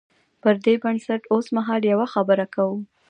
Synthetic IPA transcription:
pəɾd̪ebansaʈosmaɦɑljawaxabəɾakawu

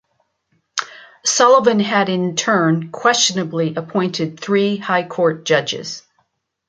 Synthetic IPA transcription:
sɑlˠəvɨ̃nɨɾɪ̃ntʰɜ̃˞nkʰw̥ɛst͡ʃɨnəbliʔəpʰɔ̃ɪ̃ntʰɨd̪̚θɹihaɪkʰɔɹt̚d̥ʒ̥ʌd͡ʒɪ̰z̥

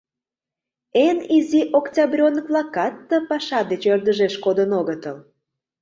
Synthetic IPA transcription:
eniziʔoktʲɑbrʲonəkvlɑkɑt̪ːə̆pɑʃɑd̪et͡ɕørd̪əʒeʃkod̪ənoɣət̪əl

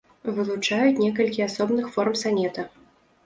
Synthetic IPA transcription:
vɨlˠut͡ʂajut͡sʲnʲɛkɐlʲkʲiasɔbnɨxfɔrmsanʲɛt̪ɐ

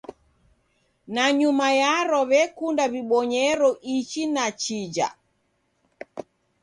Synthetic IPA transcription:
naɲumajaɾɔβɛkundaβiɓɔɲɛɾɔʔit͡ʃinat͡ʃid͡ʒa̰

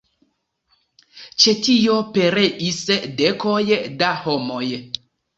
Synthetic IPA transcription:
t͡ʃe̞tio̞pe̞ɾe̞ʔisdekojdahomoj

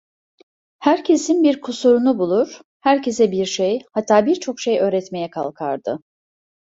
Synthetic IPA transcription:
hæɾcʰe̞sinbiɾkʰusuɾunubulˠuɾ̥ | hæɾcʰe̞sɛbiɾʃejhat̪ʰːaːbiɾt͡ʃʰo̞kʃejø̞ːɾɛt̪me̞jɛkʰa̰lˠkʰa̰ɾd̪ɯ̰

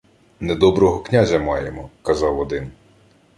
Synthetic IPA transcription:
nɛd̪ɔbɾɔɦɔknʲazʲɐmɑjemɔkɐzɑwɔd̪ɪn

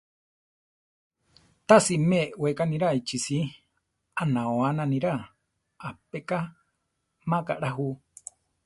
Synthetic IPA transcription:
t̪asimewekanĩɾait͡ʃisi | anãoanãnĩɾa | apeka | mãkaɾaɦu

